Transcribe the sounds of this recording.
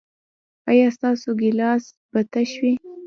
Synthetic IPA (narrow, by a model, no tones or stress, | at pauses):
ɑjɑst̪ɑsoɡɪlɑs | bat̪aʃwi